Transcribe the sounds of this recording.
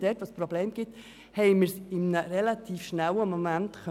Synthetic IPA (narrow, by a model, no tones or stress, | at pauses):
d̥ɛtʋospɾobleːmɡ̥ɪt̪ | hɛɪməɾsɪmnəɾɛlat̪ʰiːfʃnæwəmomænt̪kœ